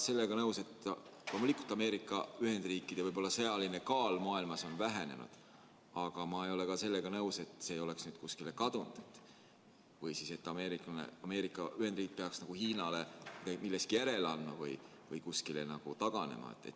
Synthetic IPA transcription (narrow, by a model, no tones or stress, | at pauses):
se̞lːe̞ɡ̥ɑnɤwse̞t̪ːlomulikːˑult̪ːˑɑme̞ːɾikːˑɑyhe̞nd̪riːkːˑid̪̥evɤjbo̞lːɑse̞ɑline̞kɑːlmɑːilmɑso̞nvæɦene̞̰nṵd̪̥ | ɑɡ̥ɑmɑejo̞le̞kɑse̞lːeɡ̥ɑnɤuwse̞t̪ːˑseːjo̞le̞ksnyːd̪̥kuskile̞kɑd̪̥und̪̥et̪ːˑ | vɯjsise̞t̪ːˑɑme̞ːɾikɑnḛɑme̞ːɾikːˑɑyhend̪riːk̚ːˑpeɑksnɑɡ̥uhiːnɑle̞mid̪ɑmilːeskijæɾe̞lɑnːɑvɯ̰j | vɯjkuskile̞̰nɑɡ̥ut̪ɑɡ̥ɑne̞̰mɑ̰ḛt̪ːˑe̞̰t̪ː